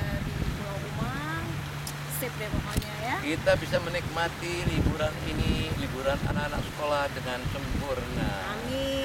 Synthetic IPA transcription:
dibuauma | sebɛmama̰ɲajakit̪abisamənik̚mat̪ilibuɾaninilibuɾana̰nakana̰k̚sə̥kolahdəŋansəmpurnaami

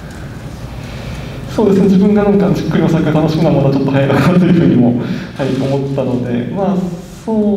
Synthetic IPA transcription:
so̞ːd̪esɨned͡ʑʑibɯ̟̃ŋɡanãŋkanʑi̥kːɯɾʲiosakʲːeɡt̪ʰano̞ɕi̥kɯ̟namad̪at͡ɕo̞t̪ːohaiɾak̪at̪ojɯ̟ɸɯ̟ːɲ̟imo̞haiomo̞t̪ːano̞d̪e̞̰maː | soː

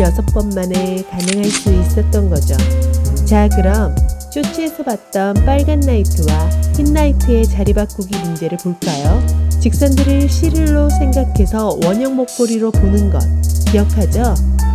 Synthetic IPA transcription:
jʌsʰʌp̚k͈ʌnmanekaneŋɦaɭs͈uis͈ʌt̚t͈ʌnɡʌd͡ʑot͡ɕaɡɯɾʌmt͡ɕ͈ʰot͡ɕʰiesʰʌbat̚t͈ʌnp͈aɭɡanːaitʰɯwahinːaitʰɯe̞t͡ɕaɾibak̚k͈uɡimund͡ʑe̞ɾɯɭpoɭk͈ajot͡ɕik̚s͈ʌndɯɾɯɭɕʰiɾiɭːosʰe̞ŋɡakʰe̞sʰʌwʌɲʌŋmok̚p͈oɾiɾoponɯnɡʌ̰t̚kijʌkʰad͡ʑo

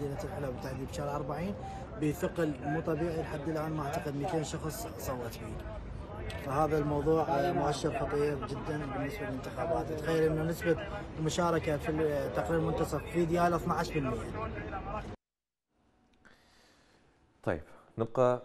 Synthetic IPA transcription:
iːlat̪lʕalawbt̪aʕðiːbʃɑːɾʔɑɾˤbaʕiːn | bəfɪqlmuːt̪ˤɑbiːʕilħad̪ːəlʔaːnmaʕt̪aqəd̪mit̪eːnʃɑxsˤ | sˤɑwːɑt̪bḭː | fahaːðalmɑwðˤuːʕmʊʔaʃːɪɾxɑt̪ˤiːɾd͡ʒɪd̪ːanbɪnːɪsballɪnt̪ɪxaːbaːt̪t̪xajːalʔɪnːunːɪsbamʊʃaːɾˤɪkafit̪ːaqɾiːɾmʊnt̪ɑsˤɑffid̪jaːlθnaʕaʃbɪlmɪjːa | t̪ˤɑ̰jbnɪb̚qɑ

